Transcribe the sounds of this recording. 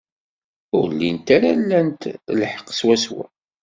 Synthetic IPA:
ʊɾlːint̪aɾalːænt̪lħə̥qːswæswæ̰

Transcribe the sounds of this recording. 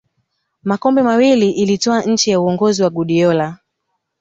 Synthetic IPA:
makɔmbɛmawiliʔilitɔaɲ̩t͡ʃijauɔŋɡɔziwaɡuɗiɔla

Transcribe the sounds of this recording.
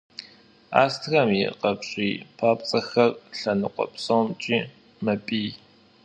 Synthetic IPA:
a̰ːstʰɣɐmḭqɐpɕʼiːpʰaːpʼt͡sʼɐxɐrɬɐnɨqʷʼɔ̰psʼowmt͡ʃʼiː | mɐpʼiː

